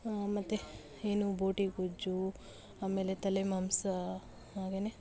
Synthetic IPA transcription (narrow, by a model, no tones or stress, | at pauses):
mɐt̪ːe | eːnubʱoːʈikud͡ʒu | aːme̞ːlet̪ɐlemɐmsɐ | aːɡene